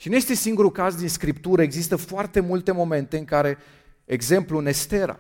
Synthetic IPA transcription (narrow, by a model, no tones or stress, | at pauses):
ʃinuje̞st̪e̞siŋɡuɾukazd̪inskɾipt̪uɾəeɡzist̪əfoart̪e̞mult̪e̞mo̞me̞nt̪e̞ɨŋkaɾe̞ | eɡze̞mpluɨne̞st̪e̞ɾa̰